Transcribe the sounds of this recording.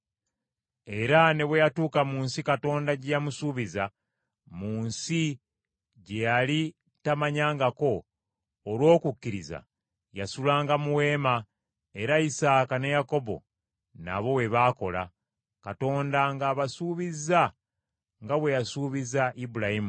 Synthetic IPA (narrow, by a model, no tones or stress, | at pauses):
e̞ɾane̞βwe̞jatuːkamuːnsikato̞ːndaɟejamusuːβiza | muːnsi | ɟejali | tamaɲaːŋɡako̞ː | lwo̞ːkukːiɾiza̰ | jasulaːŋɡamuwe̞ːma | e̞ɾaisaːkanejako̞βo̞̰ | na̰βo̞we̞βaːko̞la̰ | kato̞ːndaŋɡaːβasuːβiza | ŋɡaβwe̞jasuːβizaʔibuɾahimu